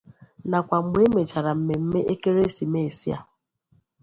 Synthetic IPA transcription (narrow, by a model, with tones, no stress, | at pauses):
na˨kʷa˨ŋ͡m̩˦ɡ͡bʷe˦me˨t͡ʃa˨ɾa˨m̩˦me˨m̩˦me˦ʔe˦ke˦ɾe˦si˨me˦˨e˨si˦a̰˨